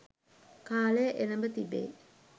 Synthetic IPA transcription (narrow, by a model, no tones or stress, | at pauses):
kaːlejəʔenəmbət̪ibḛː